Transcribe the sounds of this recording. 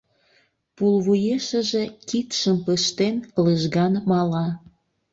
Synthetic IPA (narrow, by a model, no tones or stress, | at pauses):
pulβujeʃə̆ʒe̽kikʃəmpəʃt̪enkləʒɣɑnmɑlɑ